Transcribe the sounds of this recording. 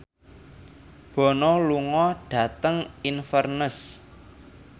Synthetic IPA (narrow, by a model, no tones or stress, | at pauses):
b̥ɔ̤nɔluŋɔɖ̥ä̤t̪əŋinfərnəs